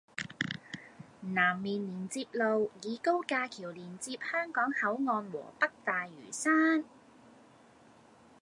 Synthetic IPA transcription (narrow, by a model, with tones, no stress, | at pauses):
naː˨˩mːiː˨niː˨˩nt͡siː˧p̚lo˨wjiː˨˧ko˥wkaː˧kʰiː˨˩wliː˨˩nt͡siː˧p̚hœː˥ŋkɔː˨˥ŋhɐ˨˥wŋɔː˧nwɔ̰ː˨˩pɐ˥k̚t̪aː˨jːy̰ː˨˩saː˥n